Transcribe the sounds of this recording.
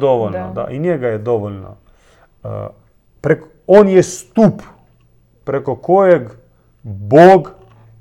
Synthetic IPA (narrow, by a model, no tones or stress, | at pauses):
d̪oʋolnad̪a̰ʔinjɛɡajɛd̪oʋolʲna̰ | pɾek | onjɛst̪up | pɾekokojeɡ | boːɡ